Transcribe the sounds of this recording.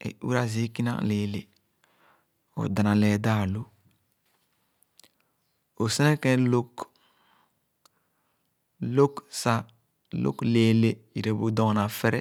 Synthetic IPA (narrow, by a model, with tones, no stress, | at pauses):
ḛ˨ʔṵ˦ɾa˦zi˦ki˦nã̰˦leː˨le˨ | o̰˨da˨nã˨lɛ˨da˦˨lo˦ | o˨se˦nɛ˦kɛ̃˦lo˦k | lo˦ksa˦ | lo̰˦kle˨le˨i˨ɾe˨bu˨dɔ˨ŋ˨nã˨fɛ˦ɾɛ˦